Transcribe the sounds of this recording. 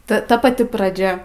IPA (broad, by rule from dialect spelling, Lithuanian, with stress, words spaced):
ˈtɐ ˈtɐ pɐˈtʲɪ prɐˈd͡ʒʲɛ